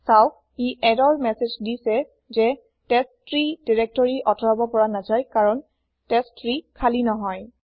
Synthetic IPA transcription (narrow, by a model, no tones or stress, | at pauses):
saʊ | iɛdɔɹmɛsezdisɛ | zɛ | tɛstɹidiɹɛk̚tɔɹiʔɔtʰɔɹabɔpɔɹanazajkaɹɔn | tɛstʰɹikʰalinɔɦɔj